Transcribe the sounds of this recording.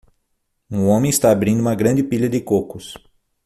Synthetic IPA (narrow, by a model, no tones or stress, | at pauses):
ũõmẽist̪aːbɾĩnd̪ʊũmɐɡɾɐ̃nd͡ʒ̪ɪpiʎɐd̪ɪkokʊs